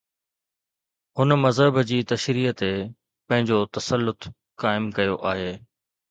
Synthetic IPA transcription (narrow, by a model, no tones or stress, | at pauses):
ɦʊnmɐzɦəbd͡ʑiːt̪ɐʃɾiːət̪e | pɐ̃ɦɪ̃ɲd͡ʑot̪ɐsəlːʊt̪ | kaːɪmkɐjoʔaːɦeː